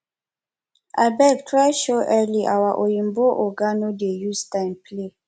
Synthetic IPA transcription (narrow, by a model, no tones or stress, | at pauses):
ʔa̰bɛɡtʰɹajʃoʔɛliʔa̰waʔojĩmboʔɔɡanodejustãɪ̃mple